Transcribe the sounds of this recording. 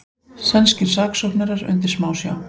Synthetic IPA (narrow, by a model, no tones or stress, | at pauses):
sɛnscɪɾ̥saːksɔknaɾaɾʏ̰nt̪̬ɪɾ̥smaːwsja̰ːw